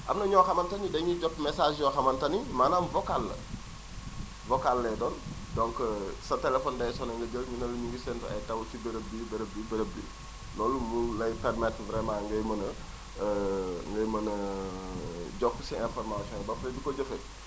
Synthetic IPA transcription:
ʔɐmnɐɲɔːxɐmɐntɐnidɐɲuɟɔtmɛsaːʃjɔxɐmɐntɐnimaːnaːmvɔkalːɐ̰ | vɔkalːɛdɔːn | dɔŋksɐtɛlɛfɔndɐjsɔnɐŋɡɐɟəlɲunɐlɲuŋɡisɛntɐ̰jtɐwt͡ʃibəɾəbːibɐɾəblibɐɾəblḭ | lɔːlumulɐjpɛrmɛtvɾɛmãːŋɡɐjmɐnɐ | ŋɡɐjmɐnɐ | ɟɔkːsiɛnfɔrmasiɔ̃nbɐfɐlɐdukɔɟəfɐ

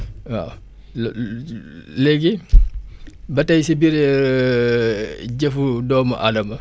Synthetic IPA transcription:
wa̰ | lɛɡi | bɐtɐjsibiɾɛ | ɟɛfudɔːmɐʔadɐmɐ

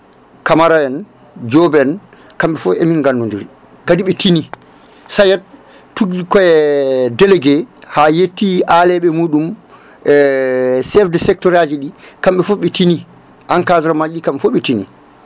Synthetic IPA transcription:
kamaɾajɛn | d͡ʒɔbɛn | kamɓɛfɔʔeminɡandunduɾi | kadiɓɛtini | sajɛt̚ | tːuɡikɔjɛdɛlɛɡɛhajetːiʔalɛɓɛmuːɗum | ɛsɛfdɛsɛk̚tɔɾad͡ʒiɗikamɓɛfɔɓɛtini | ʔankazɾɔmad͡ʒɗikamɓɛfɔɓɛtini

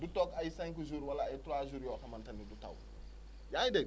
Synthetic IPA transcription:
dutɔkajisɛ̃ŋkʒuɾwalaatɾaʒuɾjɔkamantɐnːiduta̰wu | jaide

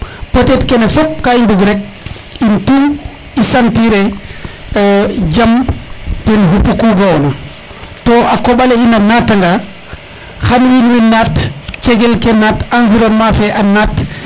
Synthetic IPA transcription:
potetkɛnɛfop̚kainduɡɾɛk̚ | intuŋ | isantiɾɛ | d͡ʒamtɛnɦupːukuɡawna | toʔakoɓaleinanatːaŋɡa | xanwinwinatt͡ʃeɡɛlkenatanziɾonmafɛʔanat

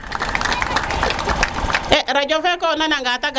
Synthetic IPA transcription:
ɛɾad͡ʒɔfɛkɔnanaŋɡataɡ

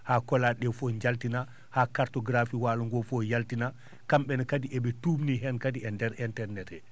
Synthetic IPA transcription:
hakɔlaɗɛfɔɲd͡ʒaltina | hakaɾtɔɡɾafiwaːluŋɡɔfɔjaltina | kamɓɛnɔkadiʔɛɓɛtuːbniɦɛnkadiɛndɛɾɛntɛɾnɛtɛ

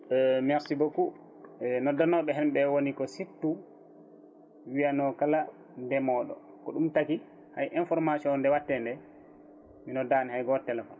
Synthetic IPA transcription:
mɛɾsiboku | nɔdanɔɓɛɦɛmɓɛwonikɔsitːu | wijanɔkala | ndɛmɔɗɔ̰ | kɔɗumtaki | hajʔɛnfɔɾmasiɔndɛwatːɛndɛ | minɔdanihajɡɔtːɛlafɔn

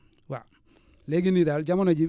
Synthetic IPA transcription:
wa̰ | leɡinidald͡ʒamonad͡ʒi

